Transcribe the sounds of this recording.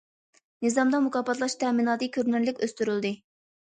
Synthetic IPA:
nɨzɑmd̪ɑmukɑːpɑt̪lˠɑʃt̪ʰɛminɑːd̪ɨkʲʰøɾnɪɾlɪkʲøst̪yɾylˠd̪ɨ

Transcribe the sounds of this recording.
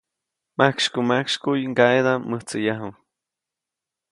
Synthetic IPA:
makʃkumakʃkujŋɡaed̪amːəht͡sɨjaɦu

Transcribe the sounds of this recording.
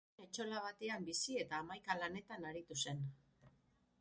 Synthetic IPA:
et͡ʃo̞laβ̞at̪e̞ambisie̞t̪aːmajkalane̞t̪anaɾit̪use̞n

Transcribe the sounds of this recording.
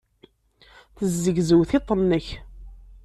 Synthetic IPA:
θəzːəɡzəwθɪt̪ˤːənːəç

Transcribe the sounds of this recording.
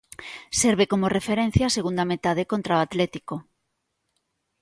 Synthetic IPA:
seɾβekomorefeɾẽn̟θjaːseɣund̪amet̪að̞ekont̪ɾaoat̪lɛt̪iko

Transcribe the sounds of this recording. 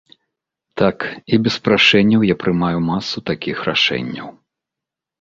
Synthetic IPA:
t̪akibʲɛspɾaʂɛnʲːɐwjapɾɨmajumasːut̪akʲixra̰ʂɛ̰nʲːɐ̰w

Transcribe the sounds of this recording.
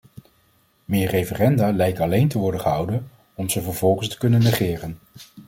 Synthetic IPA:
mɪːɹrejfərɛndaːlɛjk̚tɑlejntəʋɔɹdəχəɦʌwdən | ɔmzəvəɹv̥ɔlˠχənstə̥kɵnənːəχɪːrən

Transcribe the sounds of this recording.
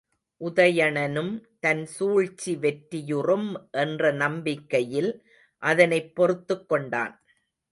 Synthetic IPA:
ʔʊðɐjɐɳɐnɯmt̪ɐnsuːɻt͡ʃːiʋɛʈːɪjɯrɯmʔɛndrɐnɐmbɪkːɐjɪl | ʔɐðɐnɐɪpːɔɾɯt̪ːɯkːɔɳɖa̰ːn

